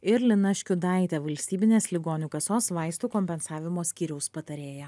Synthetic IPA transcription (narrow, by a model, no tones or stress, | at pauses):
ɪɾlʲɪnɐʃʲkʲʊd̪ɑˑɪt̪ʲɛʋɐlʲsʲt̪ʲiːbʲɪnʲeːslʲɪɡoːnʲʊkɐsoːsʋɑɪst̪uːkɔmʲpʲɛnsɑːʋʲɪmoːsʲkʲiːɾʲɛʊspɐt̪ɐɾʲeːjɛ